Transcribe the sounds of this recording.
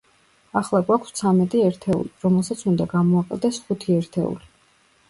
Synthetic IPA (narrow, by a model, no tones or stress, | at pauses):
aχlˠaɡwakʷʰst̪sʰamɛt̪ʼiɛɾt̪ʰɛṵliɾɔmɛlˠsat̪sʰund̪aɡamɔaqʼɛ̰d̪ɛsχut̪ʰiɛɾt̪ʰɛṵli